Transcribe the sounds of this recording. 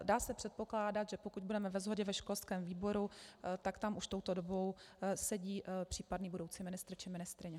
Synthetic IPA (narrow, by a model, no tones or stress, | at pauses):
daːsɛpr̝̥ɛt̪̚po̞klaːdat̪ʒɛpokuɟ̚budɛmɛvɛzɦoɟɛvɛʃkolskɛːmviːbo̞ɾut̪akt̪amʔuʃt̪o̞wt̪odobo̞wsɛɟiːpr̥iːpadniːbudowt͡simɪnɪst̪ɾt͡ʃɪmɪnɪst̪ɾɪɲɛ